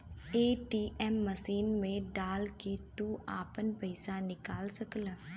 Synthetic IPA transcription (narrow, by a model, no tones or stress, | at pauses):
eːʈiːʔɛmːəsiːnmẽɖaːlket̪uaːpənpəɪsanɪkaːlsəklə